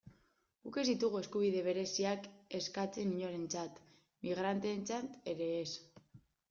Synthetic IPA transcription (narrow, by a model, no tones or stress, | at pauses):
ɡuke̞zðit̪uɣ̞ue̞skuβ̞iðe̞β̞e̞ɾe̞siake̞skat͡se̞niɲoɾe̞nt͡sat̪ | miɣɾant̪e̞ːnt͡sat̪e̞ɾe̞ːs